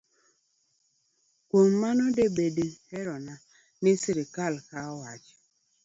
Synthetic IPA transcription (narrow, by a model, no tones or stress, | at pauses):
kʷom̩manʊdebedeheɾɔna | nɪsɪɾɪkalkawad͡ʒɪ̥